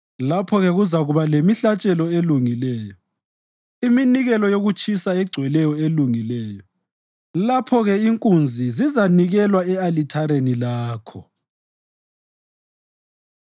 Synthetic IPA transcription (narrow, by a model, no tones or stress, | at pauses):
lapʰɔɣɛɣuzaɣuβalemiɬat͡ʃʼɛlɔeluŋilɛːjɔ | iminiɣɛlɔjoɣut͡ʃʰʼisaɛɡ͡ǀʱwɛlɛjɔeluŋilɛːjɔ | lapʰɔɣɛiŋkʼund͡zʱizizaniɣɛlwaɛalitʰaɾenilaːkʰɔ